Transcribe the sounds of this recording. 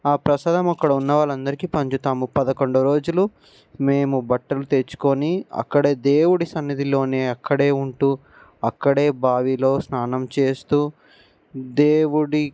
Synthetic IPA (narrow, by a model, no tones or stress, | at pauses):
aːpɾɐsaːd̪ɐmɐkːɐɽɐunːɐʋaːlɐnd̪ɐɾikipɐɲt͡ʃut̪aːmupɐd̪ɐko̞ɳɖɐɾo̞ːd͡ʒulu | me̞ːmubɐʈːɐlut̪et͡ʃu̥ko̞ːniɐ̰kːɐɽe̞ːd̪e̞ːwuɽisɐnːɐd̪ilo̞ːneːɐkːɐɽe̞ːuɳʈuː | ɐkːɐɽeːbʱaːʋilo̞ːsnaːnɐmt͡ʃe̞ːst̪uː | d̪eːwuɽi